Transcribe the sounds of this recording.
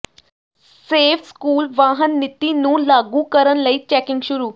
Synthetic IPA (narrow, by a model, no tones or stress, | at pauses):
sefskuːlʋaɦənːit̪ːinũːlaɡukəɾənləiːt͡ɕɛkɪŋɡɕuɾuː